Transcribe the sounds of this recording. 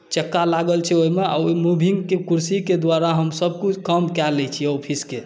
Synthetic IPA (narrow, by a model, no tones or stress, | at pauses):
t͡ʃəkːalaɡəlt͡ʃʰɛoimea̰oimubʱiŋɡkekuɾsiked̪ʋaɾaɦəmsəb̚ʱkut͡ʃʰkəmkɛlɛt͡ʃʰiɔpʰiske